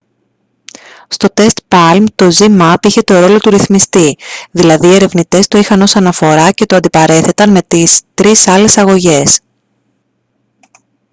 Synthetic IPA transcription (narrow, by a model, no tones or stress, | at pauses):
st̪o̞t̪e̞st̪pɐlmt̪o̞zimɐpiçe̞t̪o̞ɾo̞lo̞t̪uɾiθmist̪iðilɐðiːe̞ɾe̞vnit̪e̞st̪o̞ixɐno̞sɐnɐfo̞ɾɐce̞t̪oɐnd̪ipɐɾe̞θe̞t̪ɐnme̞t̪ist̪ɾisɐle̞sɐɣo̞ʝe̞s